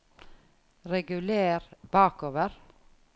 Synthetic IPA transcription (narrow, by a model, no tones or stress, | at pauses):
ɾɛɡʉleːɾb̥ɑːkoːʋəɾ